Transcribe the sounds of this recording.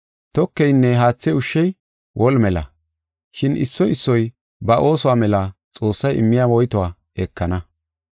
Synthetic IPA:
t̪ɔkːɛjnːɛɦaːt͡sːɛʊʃːɛj | wʔɔlmɛlɐ̰ | ʃɪnʔɪ̰sːɔʔɪsːɔj | bɐʔo̞ːsʊwaːmɛlɐt͡sʼo̞ːsːɐjʔɪ̰mːɪjaːwɔjt̪ɔwaː | ekʰːɐnɐ

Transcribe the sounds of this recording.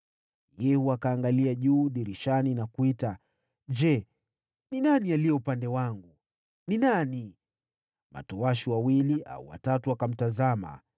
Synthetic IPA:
jɛhuakaːŋɡaliaʄuːɗiɾiʃaninakuita | d͡ʒɛ | ninanialijɛupandɛwaŋɡu | ninani | ma̰tɔwaʃiwawiliʔa̰ṵwa̰tatuakam̩tazama̰

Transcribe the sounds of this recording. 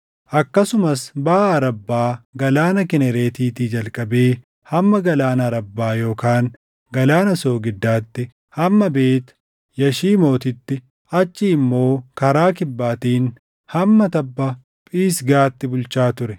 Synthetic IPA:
ʔɐkːɐsʊmɐsbɐʔɐːɾɐbːaːɡɐlaːnɐkɛnɛɾe̞ːt̪iːt̪iːd͡ʒɐlkʼɐbe̞ː | hɐmːɐɡɐlaːnɐɐɾɐbːaːjo̞ːkaːŋ | ɡɐlaːnɐso̞ːɡɪd̪ːaːt̪ːɪ | hɐmːɐbe̞ːt̪ʊ̥ | jɐʃiːmo̞ːt̪ɪt̪ːɪ | ɐt͡ʃːiɪmːo̞ːkɐɾaːk̬ɪbːaːt̪iːn | hɐmːɐt̪ɐbːɐ | pʼiːsɡaːt̪ːɪbʊlt͡ʃaːt̪ʊɾɛ

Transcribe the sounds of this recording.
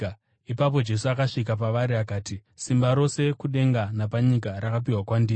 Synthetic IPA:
ipap̬o̞d͡ʒe̞suakaʂik̬ap̬aʋaɾiakaːti | simbaɾo̞se̞kuɗe̞ŋɡanapaɲikaɾakap̬iwakwandiː

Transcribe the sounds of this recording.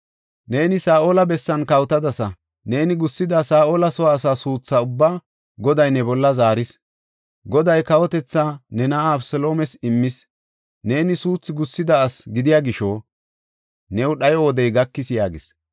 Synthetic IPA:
ne̞ːnɪsaːʔoːlɐbɛsːɐnkɐwt̪ɐd̪ɐsɐ | ne̞ːnɪɡʊsːɪd̪ɐsaːʔoːlɐsɔwaːsaːsuːt͡sːɐʊbːaː | ɡɔd̪ɐjnɛbɔlːɐzaːɾɪs | ɡɔd̪ɐjkɐwɔt̪ɛt͡sːanɛnaːbsɔlo̞ːmɛsɪmːɪs | ne̞ːnɪsuːt͡sːɪɡʊsːɪd̪ɐːsɡɪd̪ɪjaːɡɪʃo | nɛwɗɐjɔːd̪ɛjɡɐkːɪsjaːɡɪs

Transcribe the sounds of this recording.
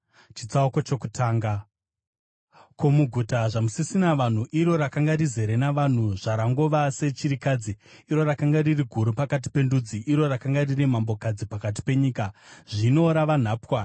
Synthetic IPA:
t͡ʃit͡sauko̞t͡ʃo̞kutʰaːŋɡa | ko̞muɡʱutaʐamusisinaʋan̤uʔiɾo̞ɾakaŋɡarize̞ɾe̞naʋan̤uʐ̥aɾaŋɡoʋase̞t͡ʃiɾikad͡ziiɾo̞ɾakaŋɡaririɡʱuɾupakat̬i̥pe̞ndud͡ziʔiɾo̞rakaŋɡariremambo̞kad͡zipakat̬i̥pe̞ɲiːkaʐ̥ino̞ɾaʋan̤aːpwa

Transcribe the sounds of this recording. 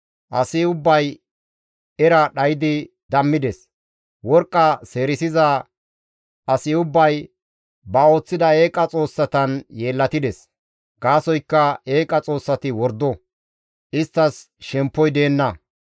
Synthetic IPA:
ʔɐsɪʊbːɐj | ɛɾɐɗɐjɪd̪ɪ | d̪ɐmːɪd̪ɛs | wɔɾkʼːɐse̞ːɾɪsɪzɐ | ʔɐsɪʊbːɐj | bɐo̞ːt͡sːɪd̪ɐe̞ːkʼɐt͡sʼo̞ːsːɐt̪ɐnje̞ːlːɐt̪ɪd̪ɛs | ɡaːsɔjkːɐe̞ːkʼɐt͡sʼo̞ːsːɐt̪ɪwɔɾd̪ɔ | ʔɪst̪ːɐs | ʃɛmpːɔjd̪e̞ːnːɐ

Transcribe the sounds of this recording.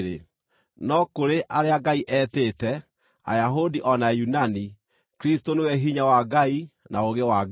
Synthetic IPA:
ɾe | nɔkoɾeʔaɾeaɡaiʔɛtetɛ | a̰jaɦodiʔɔnajunani | kɾistonewɛɦiɲawaɡainaoɣewaɡ

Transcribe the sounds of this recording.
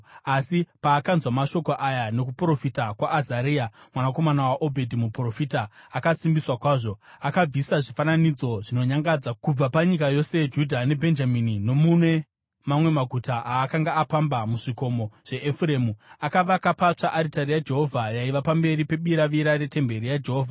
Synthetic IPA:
asipaːkanzwamaʃo̞koʔajano̞k̬upro̞fitakwaʔːzaɾiːamwanako̞manawaʔo̞bʱe̞dʱimupro̞fiːtaːkasimbiswakwaːʐo̞ | akab͡visaʐifananid͡zo̞ʐino̞ɲaŋɡad͡zakub͡vapaɲikajo̞se̞d͡ʒudʱane̞bʱe̞nd͡ʒaminino̞mune̞ | mamwe̞maɡʱutaʔaːkaŋɡaapambamuʐiko̞mo̞ʐ̥e̞ʔefuɾe̞ːmuakaʋakapat͡ʂaʔːɾitaɾijad͡ʒe̞ɦo̞vʱajaiʋapambe̞ɾipe̞ɓiɾaʋiɾaɾe̞te̞mbe̞ɾijad͡ʒe̞ɦoːvʱa

